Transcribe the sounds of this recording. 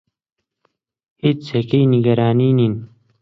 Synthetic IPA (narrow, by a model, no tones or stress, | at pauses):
it͡shekejniɡɐɾaːniːnin